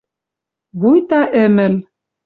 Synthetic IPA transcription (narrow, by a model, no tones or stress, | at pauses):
βujt̪ɑʔɘ̆mɘ̆l